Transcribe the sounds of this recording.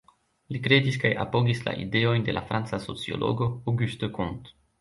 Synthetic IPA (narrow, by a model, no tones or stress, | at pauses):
likɾe̞diskaja̰po̞ɡisla̰ʔḭde̞o̞jnde̞̰la̰fɾant͡saso̞t͡sio̞̰lʔo̞̰ɡo̞awɡyst̪okunt̪